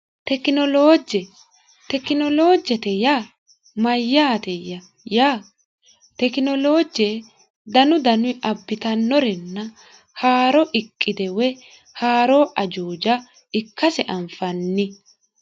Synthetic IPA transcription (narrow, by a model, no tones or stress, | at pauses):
t̪ɛkɪnɔloːd͡ʒɛ | t̪ɛkːɪnɔloːd͡ʒɛt̪ɛjaː | mɐjːaːt̪ɛjɐ | jaː | t̪ɛkɪnɔlo̞ːd͡ʒe | d̪ɐnʊd̪ɐnʊɪʔɐbːɪt̪ɐnːɔɾɛnːɐ | haːɾɔʔɪkʼːɪd̪ɛwɛ | haːɾoːʔɐd͡ʒuːd͡ʒɐ | ɪkːɐsɛʔɐmfɐnːɪ